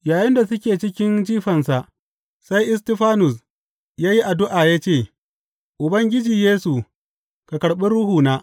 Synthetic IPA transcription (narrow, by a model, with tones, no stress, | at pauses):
jaː˨jɪ˦nda˨sʊ˦kʲeː˨t͡ʃɪ˦kʲɪ˦nd͡ʒiː˦ɸɐ˨nsa˨ʔ | sa˦jʔɪ˦s̬tɪ˦ɸaː˦nʊ˨s | jaː˦ji˦ʔa˨dʊ˦ʔaː˨jaː˦t͡ʃeː˦˨ | ʔʊ˨bɐ˦ŋɡʲɪ˦d͡ʒiː˨jeː˦su˨ | ka˨kɐ˨ɽɓɪ˦ɽʊ˦huː˨naː˦